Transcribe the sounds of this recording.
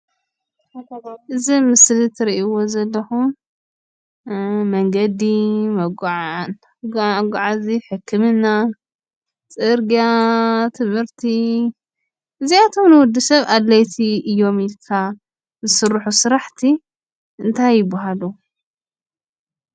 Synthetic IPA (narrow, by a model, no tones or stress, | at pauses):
ɨzimɨslit̪ʰɨɾiʔiwo̞zɐlːɐxum | mɐŋɡɐd̪imɐɡʕan | ɡʷaʕaziħɨkʰːɨmɨnːa | t͡sʼɨɾɡijat̪ʰɨmhɨɾt̪ʰi | ʔɨziat̪ʰo̞mnɨwʊd̪ːisɐβad̪lːɐjt̪ʰiʔɨjːo̞milkʰa | zɨsɨrːħusɨɾaħt̪ʰi | ʔɨnt̪ʰajːɪbaɦalu